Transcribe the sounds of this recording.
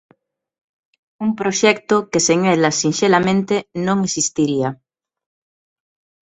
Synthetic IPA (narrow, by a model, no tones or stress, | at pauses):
umpɾoʃɛkt̪okeseŋelasinʃelamẽnt̪enõŋesist̪iɾia